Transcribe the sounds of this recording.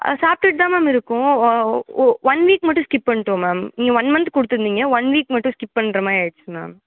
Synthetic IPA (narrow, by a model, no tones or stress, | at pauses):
saːp̚ʈɪʈ̚t̪aːmaːmɪɾɯkːʊ̃ | ʋɐnʋiːkmɐʈːʊ̃skɪpːpɐɳːʈːɯõmaːmiːŋɡɐʋɐnmɐnt̪kɔɽɯt̪ːɯɾɯnd̪iːŋɡɐʋɐnʋiːkmɐʈːʊ̃skɪppɐɳːɾɐmaːeɻɯt͡ʃːɯma̰ːm